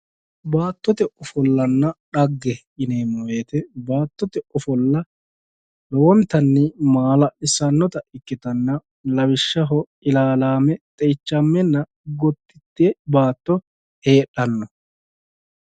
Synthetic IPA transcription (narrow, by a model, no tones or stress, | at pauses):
baːt̪ːɔt̪ɛʔɔfɔlːɐnːɐɗɐɡːɛ | ɪneːmɔweːt̪ɛbaːt̪ːɔt̪ɛɔfɔlːɐ | lɔwɔnt̪ɐnːɪmaːlɐʔɪsɐnːɔt̪ɐʔɪkːɪt̪ɐnːɐ | lɐwɪʃːɐɦɔ | ɪlaːlaːmɛt̪ʼɛjt͡ʃːɐmːɛnːɐ | ɡɔt̪ːɪt̪ːɛbaːt̪ːɔ | he̞ːɗːɐnːɔ